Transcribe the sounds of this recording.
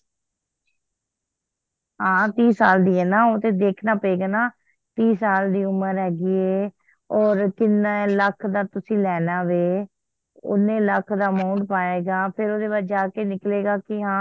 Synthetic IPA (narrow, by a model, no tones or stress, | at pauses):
ɦãːt̪iːsaːld̪iːɦɛːnãːoːt̪eːd̪eːkʰnaːpəeːɡaːnaː | t̪iːsaːld̪iːʊməɾɦɛːɡiːɛː | ɔːɾkɪnaːləkʰd̪aːt̪ʊsĩːlɛːnaːʋeː | ʊ̰nẽːləkʰd̪aːmaːɳʈpaːeːɡaːpʰɪɾoːd̪eːbaːd͡ʒaːkeːnɪkleːɡaːkɪɦãː